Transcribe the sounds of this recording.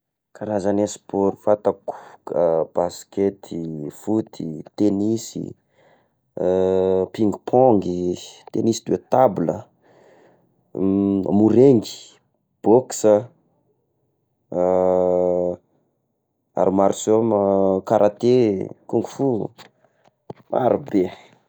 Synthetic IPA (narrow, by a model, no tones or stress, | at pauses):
kaɾazanaspoɾifat̪aku̥kəb̥asket̪ʰifut̪ʰit̪enisḭ | piŋɡupʰɔŋɡit̪enisi̥d̪uet̪abulə | muɾeŋɡi̥ | b̥oksə | a̰ɾimaɾsomkaɾʔat̪ekuŋɡu̥fu | ma̰ɾube